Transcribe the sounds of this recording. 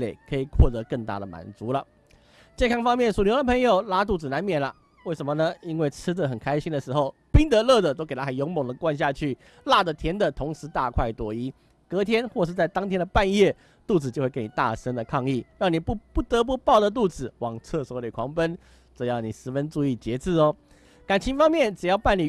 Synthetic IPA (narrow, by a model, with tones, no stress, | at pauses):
le˨˩ɪkʰɤ˧˥i˨˩kʰwɔ˥˩t̪ɤ˧˥kə˥˧ŋt̪a̰˥˩ɾə˩mʔa̰˨˩nt͡su˧˥˦lə˨ | t͡ɕjɛ˥˧nkʰɑ˥ŋfɑ˥ŋmjɛ˥˩nsu˨˩ljʊd̪ə˨pʰɤ˧˥ŋjo˨˩ʊla˥t̪̬u˥˩ɹ̩˨˩na˧˥nmjɛ˨˩nlə̰˦ | we˥˩ɪʂə˧˥nmə˧nə˧i˥nwe˥˩ɪt͡s̩ʰ˥d̪ə˨xə˨˩nkʰa˥ɪɕi˥nd̪ə˨ʂɻ̩˧˥xo˥˩ʊpi˥ŋt̪ə˧˥lɤ˥˧˩d̪ə˨˩t̪o˥ʊke˨˩ɪa˥xə˨˩njo˧˥ŋmo˨˩ŋd̪ə˩kwa˥˧nɕ̬ja˥˧t͡ɕʰy˥˩ | la˥˩d̪ə˩t̪ʰjɛ˧˥nd̪ə˨t̪ʰʊ˧˥ŋʂɻ̩˧˥t̪a˥˧kʰwa˥˩ɪt̪wɔ˨˩i˧˥ | kɤ˧˥t̪ʰjɛ˥nxwɔ˥˧ʂɻ̩˥˧t͡sa˥˩ɪt̪ɑ˥ŋt̪ʰjɛ˥nd̪ə˨˩pa˥˧njɛ˥˩ | t̪u˥˩t͡sɹ̩˨˩t͡ɕjo˥˧xwkni˨˩t̪a̰˥˩ʂə˥ŋd̪ə˨kʰɑ˥˧ŋi˥˩ɻɑ˥˩ŋni˨˩pu˥˧pu˥˩t̪ə˧˥p̬u˧˥˦pɑ˥˩ʊd̪ə˩t̪̬u˥˩t͡sɹ̩˨˩wɑ˨˩ŋt͡sʰɤ˥˩swɔ˧˥li˨˩kʰwɑ˧˥ŋpə˦n | ʈ͡ʂ̩˨˩jɑ˥˩ʊni˨˩ʂɻ̩˧˥fə˦nʈ͡ʂu˥˧i˥˩t͡ɕjɛ˧˥t͡sɹ̩˥˩ɔ˦ | ka˨˩nt͡ɕʰi˧˥ŋfɑ˥ŋmjɛ˥˩nʈ͡ʂɻ̩˨˩jɑ˥˧ʊpa˥˩ni˨˩